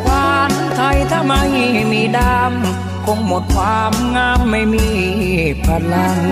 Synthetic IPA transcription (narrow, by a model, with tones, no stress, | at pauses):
kaː˧n | t̪ʰa˧˩jt̪ʰa˧˥ma˧jmiː˧daː˧˩m | kʰo˧ŋmo˨˩t̪̚kʰwaː˧mŋaː˧˩mːa˧˩jmiː˧˥˨pʰa˧˩la˧˩ŋ